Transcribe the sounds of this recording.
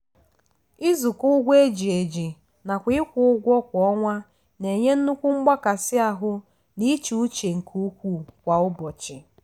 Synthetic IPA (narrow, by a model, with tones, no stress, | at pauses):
ɪ˦zʊ˨kʊ˦ɡʷe˦d͡ʒi˨e˨d͡ʒi˨ | na˨kʷɪ˦ɪ˦kʷʊ˨ʊ˦ɡʷɔ˦kʷɔ˦ŋʷa˦ | ne˨ɲe˦n̩˦nu˦kʷʊ˦ŋ͡m̩˦ɡ͡ba˦ka˨sɪ˦a˦˨ɦʊ˦ | ni˦t͡ʃu˨u˦t͡ʃe˨ŋ̩˨kʰu˦kʷu˦˨kʷa˨ʊ˦bɔ˨t͡ʃɪ˨